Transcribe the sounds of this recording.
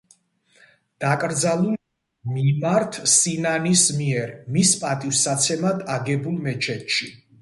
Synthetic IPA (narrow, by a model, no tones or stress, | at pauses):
d̪̥akʼɾd̪zalˠul | mimaɾt̪ʰsinanismiɛɾmispʼat̪ʼifsat̪sʰɛmad̪aɡɛbulˠmɛt͡ʃʰɛt̪ʃi